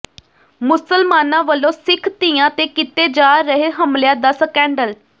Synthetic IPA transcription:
mʊsəlmaːnãːʋəlːõːsɪkʰt̪ijãːt̪eːkɪt̪eːd͡ʒaːɾəɦeːɦəmljãːd̪asəkɛ̃ːɳɖəl

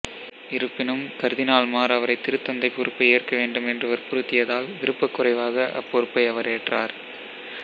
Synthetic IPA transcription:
ɪɾɯpːɪnɯmkɐɾðɪnaːlmaːɾɐʋɐɾɐɪt̪ːɪɾɯt̪ːɐnd̪ɐɪpːɔɾɯpːɐɪeːrkɐʋeːɳɖɯmɛndrɯʋɐɾpʊɾɯt̪ːɪjɐðaːlʋɪɾɯpːɐkːʊrɐɪʋaːɣɐʔɐ̰pːɔɾɯpːɐɪɐʋɐɾeːʈraːɾ

